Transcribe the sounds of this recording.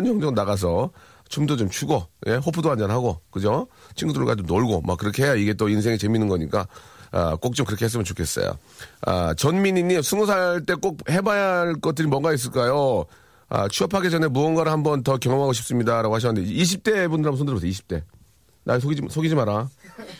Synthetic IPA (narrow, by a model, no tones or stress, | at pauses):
ɲjʌŋd͡ʑʌnaɣas̬ʰʌ | t͡ɕomdot͡ɕomt͡ɕʰuɡoje̞ɦopʰudoand͡ʑʌnɦaɡokɯd͡ʑot͡ɕʰinɡudɯɭɡwad͡ʑomnoɭɡoma̰kɯɾʌkʰeɦejaiɡe̞t͈oinsʰe̞ŋit͡ɕe̞minɯnɡʌɲik͈aa̰k͈ok̚t͡ɕ͈omkɯɾʌkees̬ɯmjʌnt͡ɕokʰe̞s͈ʌ̰jo̰ | a̰t͡ɕʌnmiɲiɲːimsʰɯŋusʰaɭt͈e̞k͈ok̚he̞bajaɭk͈ʌt̚t͈ɯɾimwʌŋɡais̬͈ɯɭk͈ajo | ʌ̰t͡ɕʰuʌpʰaɡed͡ʑʌne̞muʌnɡwaɾɯɭhambʌntʌkjʌŋʌŋɦaɡoɕʰip̚s͈ɯmɲidaɾaɡohaɕ̬ʌnːndeiɕ̬ʰip̚t͈e̞bundɯɭambonsʰondɯɾbos̬eiɕʰi̥p̚t͈e̞ | nasʰoɡid͡ʑisʰoɡid͡ʑimaɾa